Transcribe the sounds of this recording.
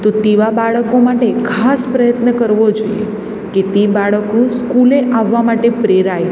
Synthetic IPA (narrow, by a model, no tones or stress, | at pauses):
t̪ot̪eʋabaɭəkomaʈekʰaspɾəjət̪nəkəɾʋod͡ʒoijḛ | ket̪ebaɭəkũskuleʔaʋːamaʈepɾeɾaj